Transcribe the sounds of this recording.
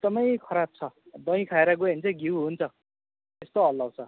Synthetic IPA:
eɡ̚d̪ʌmʌjkʰʌɾab̚t͡sʰʌ | d̪ʌj̃kʰaeɾʌɡoɦint͡sʰʌɡiwɦunt͡sʰʌ | t̪est̪oɦʌlːʌw̃t͡sʰʌ

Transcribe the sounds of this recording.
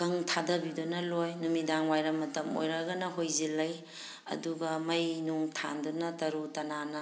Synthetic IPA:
kɐŋtʰadɐbidunɐlojnumidaŋwajɾɐmːɐtɐmo̰jɾɐɡɐnɐɦojzilːɐj | ɐ̰duɡɐmɐjnuŋtʰa̰ndunɐtɐɾutɐnanɐ

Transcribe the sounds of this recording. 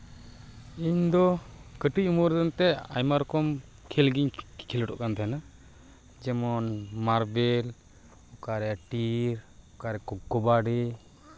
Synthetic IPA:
iɲd̪ɔkəʈic̚umuɾd̪ənt̪ɛa̰jmaɾɔkɔm | kʰɛlɡiɲkʰilʈɔ̰ʔkant̪ʰaɦna | d͡ʒɛmɔnmaɾbɛl | ɔkaɾɛʈiɾɔkaɾɛkɔɡɔbaɖi

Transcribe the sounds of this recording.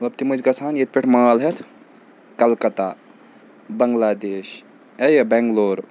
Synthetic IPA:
mmɐt̪lɐb̚t̪imud͡ʒɡɐsʰaːnjet̪̚pʲeʈʰmaːlɦet̪ʰ | kɐlkɐt̪a | bɐŋɡlaːd̪eːʃ | ejebɛŋɡloːɾ

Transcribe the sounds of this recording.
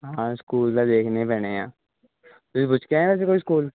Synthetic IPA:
ɦãskuːlt̪ad̪eːkʰnẽpɛːnejã̰ː | t̪osbʊt͡ʃʰkeɦɛ̃ʋɛːs̬ekoːiskuːl

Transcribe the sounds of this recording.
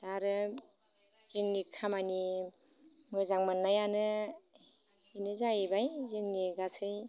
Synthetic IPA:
d̥aɾɯ | z̥ɯŋnikʰamani | mɯzaŋmanːajanɯ | inɯzajbajzɯŋniɡasʰɯj

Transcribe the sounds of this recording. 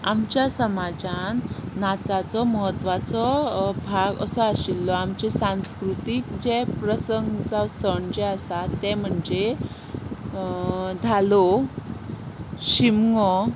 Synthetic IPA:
a̰mt͡ɕjasəmad͡zãnːat͡sat͡sɔməɦət̪ːʋat͡sɔbʱaɡə̰sɔaɕilːɔamt͡ɕesãw̃skɾut̪ikd͡ʑepɾəsəŋɡt͡sasəɳd͡ʑeasat̪ːɛm̤əɳd͡ze | d̪ʱalo | ɕimŋɔ

